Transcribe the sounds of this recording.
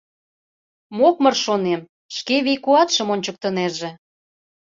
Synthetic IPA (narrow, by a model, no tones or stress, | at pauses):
mokmɤrʃonem | ʃkeβijkuɑt̪ʃə̆monʲt͡ɕə̆k̚t̪ə̆nerʒe